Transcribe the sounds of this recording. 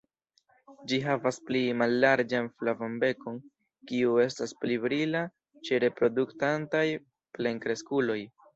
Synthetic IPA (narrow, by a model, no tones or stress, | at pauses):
d͡ʒiɦavasplimalːaɾd͡ʒanflavambe̞ko̞n | kiue̞stasplibɾila | t͡ʃe̞ɾe̞pɾo̞duktantaj | ple̞ŋkɾe̞skulo̞j